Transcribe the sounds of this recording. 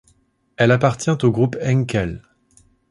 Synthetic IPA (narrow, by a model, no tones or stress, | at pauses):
ɛlapaʁt̪jɛ̃t̪oɡʁupɛ̃ŋkʲɛl